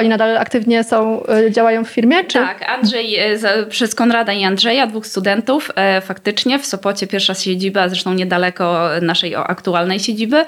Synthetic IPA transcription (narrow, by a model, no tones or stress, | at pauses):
ɔɲinad̪alakt̪ɘvɲɛsɔ̃w̃d͡ʑawajɔ̃w̃ffʲiɾmʲjɛt͡ʂ̪akand̪ʐɛjzpʂɛskɔnɾad̪aiand̪ʐɛjad̪vuxst̪ud̪ɛnt̪uffakt̪ɘt͡ʂɲɛfsɔpɔt͡ɕɛpʲjɛɾfʂaɕed͡ʑibazɾɛʂt̪ɔ̃w̃ɲɛd̪alɛkɔnaʂɛjɔ̰ʔa̰kt̪ualnɛjɕed͡ʑibɘ